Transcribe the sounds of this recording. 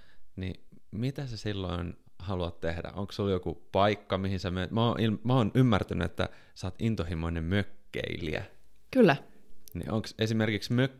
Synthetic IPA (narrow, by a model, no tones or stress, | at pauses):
nḭ | mit̪æsesilːoin | hɑluɑt̪t̪ehdæ̰ʔoŋkssuljokupɑikːɑmihinsememæoʔilmæoːnymːært̪ænyet̪ːæ̰ | sɑːt̪int̪ohimoinemmøkːḛilḭæ̰kylːænḭʔoŋksesimerkiksmø